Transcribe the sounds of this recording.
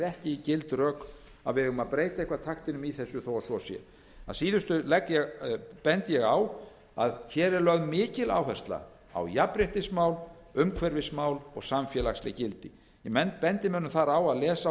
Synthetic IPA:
ɛhcɪicɪlt̪rœːk | a̰ðvɪɪɣʏmaðpɾeːjt̪aihkvat̪ʰaxt̪ɪnʏmiθɛsːʏθoːwasɔsjɛ̰ | a̰ðsiːðʏst̪ʏlɛkːjɛɣpɛnt̪jɛɣaw | aðçɛːɾɛɾlœɣðmɪːcɪla̰ːwɦɛst̪la̰ | a̰wjapɾɛht̪ɪsmaːwl | ʏmkʰvɛɾvɪsmaːwlɔ̰ɣsamfjɛlakslɪ̰cɪlt̪ɪ | ɛmɛnpɛnt̪ɪmʏnːʏmθaɾawaðlɛːsa

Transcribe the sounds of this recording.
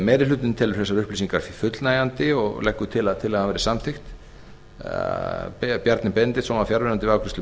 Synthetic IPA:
mɛːɾɪlʏːt̪ɪnt̪ʰɛːlʏɾ̥θɛsːaɾʏhplisiŋkaɾ̥fifʏt̪lnaːjant̪ɪɔɣlɛhkːʏt̪ʰɪlaðt̪ʰɪlɛhanvɛɾɪsamθɪxt̪ | ppjaɾt̪nɪpɛnt̪ɪsɔːmafjaɾvɛnant̪ɪvɪawkʰɾɪst̪ʏ

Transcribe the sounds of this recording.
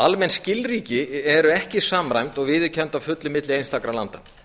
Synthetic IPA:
almɛnscɪlriːcɪɛɾʏɛhcɪsaːmɾajmt̪ɔɣvɪːðʏcʰɛnt̪avfʏt̪lɪmɪt̪lɪejnst̪akɾalant̪an

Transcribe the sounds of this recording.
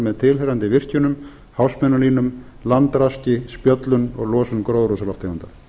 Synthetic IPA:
mɛðt̪ʰɪlɦeɾant̪ɪvɪr̥cʏnʏm | hawsmɛnːʏliːnʏm | lant̪ɾascɪspjœt̪lʏnɔ̰ɣlɔːsʏnkɾoːwðɾusalɔft̪emʏnt̪a

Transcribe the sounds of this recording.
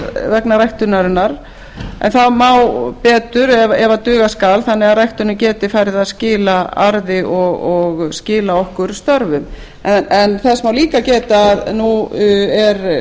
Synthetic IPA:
vɛknaɾajht̪ʏnaɾɪnːaɾ | ɛ̰nθaðmawpɛːt̪ʏɾɛvɛvat̪ʏːɣaskaːlθanːɛɣarajht̪ʏɾnʏcɛːt̪ɪfajɾɪðascɪːlaa̰ɾðɪʔɔɣɔɣscɪːlaɔhkʏɾst̪œɾvʏm | ɛɛnθɛsmawliːkacɛːt̪aːðnuɛɾ

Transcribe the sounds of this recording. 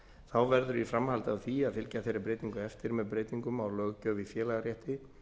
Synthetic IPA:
θawvɛɾðʏɾifɾamhalt̪avθiaðfɪlcaθejɾapɾeːjt̪iŋkʏɛft̪ɪɾmɛðpɾeːjt̪iŋkʏmawlœːɣcœːvɪfjɛːlaɣaɾjɛht̪ɪ

